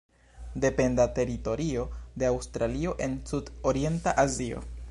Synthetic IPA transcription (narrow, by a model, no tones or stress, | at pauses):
de̞pe̞ndate̞ɾito̞ɾio̞de̞awstɾalio̞ʔe̞nsudoɾie̞ntaʔazio̞̰